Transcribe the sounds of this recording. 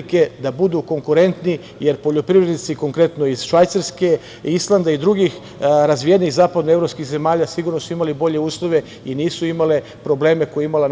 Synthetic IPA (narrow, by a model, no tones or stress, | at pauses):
ke̞d̪abud̪uːko̞ŋkuɾe̞nt̪ni | jeɾpo̞ʎo̞pɾiʋɾed̪nit̪siko̞ŋkɾe̞t̪noiz̥ʃʋajt̪saɾske̞ | islˠand̪aid̪ɾuɡix | ɾazʋijeniɣzaːpad̪noevɾo̞pskixzemaːʎasiɡuɾnosuimalibo̞ʎe̞uːslˠo̞ʋe̞ | iniːsuimale | pɾo̞ble̞ːme̞kojeimala